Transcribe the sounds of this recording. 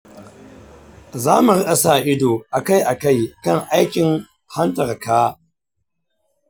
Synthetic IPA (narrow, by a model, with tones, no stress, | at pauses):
zaː˦mu˨ɾɪ˦ɗɐ˨saː˨ʔɪ˦doː˨ʔa˨ka˦˨jʔa˨ka˦˨jkɐ˦ŋʔa˦jkʲɪ˨ŋ | ha˦ntɐ˨rkaː˦